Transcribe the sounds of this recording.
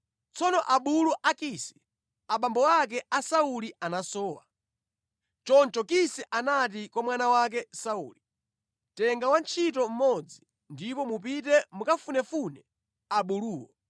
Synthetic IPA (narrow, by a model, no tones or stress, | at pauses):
t͡sɔnɔʔaɓuluʔakisɛ̥ | aɓambɔwak̬ɛasaulianasɔːwa̰ | t͡ʃɔnt͡ʃɔkisɛʔanat̬ikwamwanawak̬ɛsaṵːli | tɛŋɡawant͡ʃʰitɔm̩mɔd͡zi | ndipɔmup̬it̬ɛmukafunɛfunɛ | aɓuluːwɔ